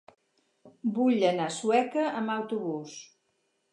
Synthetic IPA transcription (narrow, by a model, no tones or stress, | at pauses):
buʎənasuɛkəəməwt̪uβus